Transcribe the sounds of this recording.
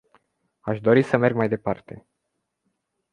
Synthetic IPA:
aʃd̪o̞ɾisəme̞rɡmajd̪e̞part̪e̞̰

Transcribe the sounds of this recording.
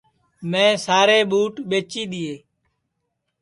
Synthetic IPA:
mẽːsaːɾeːɓuːʈɓeːt͡ʃiːɗ̪ɪeː

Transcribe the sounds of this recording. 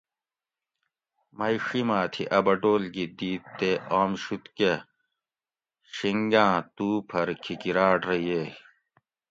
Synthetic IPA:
mɐjʂimãːt̪ʰiʔɐbɐɖoːlɡid̪iːt̪ːeaːmɕut̪ke | ɕiŋɡãːt̪uːpʰɐɾkʰikiɾaːɖɾɐje

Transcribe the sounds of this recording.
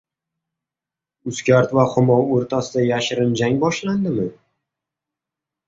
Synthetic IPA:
ʊskʲaɾt̪vaχʊmɒwoɾt̪ʰasɪd̪ajaʃɪɾɪnd͡ʒaŋbɒʃland̪ɪmɪ

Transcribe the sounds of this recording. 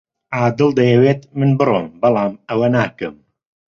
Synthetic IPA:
ʕaːd̪ɨlˠd̪ɐjɛweːt̪mɨnbɨrˤoːmbɑlˠɑːmɐwɐnaːkɨm

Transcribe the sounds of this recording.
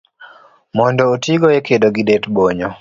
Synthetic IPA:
mɔndɔotiɡɔekedoɡidetboɲɔ

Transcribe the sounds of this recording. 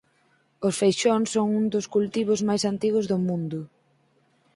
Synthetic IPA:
ʊsfejʃonsoŋuŋd̪ʊskult̪iβʊzmajsant̪iɣʊzðʊmũnd̪ʊ

